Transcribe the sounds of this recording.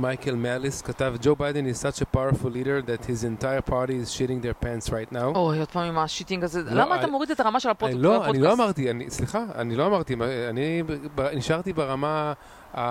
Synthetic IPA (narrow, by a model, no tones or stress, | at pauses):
majkelmɛliskatavd͡ʒobajdẽnizsat͡ʃepawəɹfulːiɾəɹðɛthizẽntajəɾpʰaɹɾiːzʃiɾĩŋðeɹpɛ̃nsʁajtnawoajod̥̪̚pamimaʃit̪iŋɡazelamaːt̪amoʁid̪et̪aʁamaʃelaoloaniloamaʁtianisliχaa̰nilo̞amaʁt̪imaanibeniʃaʁtibeʁama | a